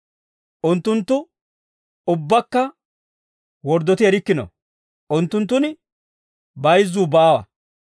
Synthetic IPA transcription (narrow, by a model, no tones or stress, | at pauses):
ʔʊnt̪ːʊnt̪ːʊ | ʊbːɐkːɐ | wɔɾd̪ːɔt̪ɪɛɾɪkːɪnɔ̰ | ʔʊnt̪ːʊnt̪ːʊnɪ | bɐjzːuːbaːwɐ̰